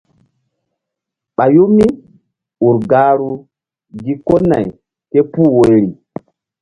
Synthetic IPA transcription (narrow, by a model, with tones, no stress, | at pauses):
ɓa˨ju˦mi˦ | u˨ɾɡaː˦ɾu˦ | ɡi˦ko˦na̰˨j | ke˦puː˦wo˨jɾi˨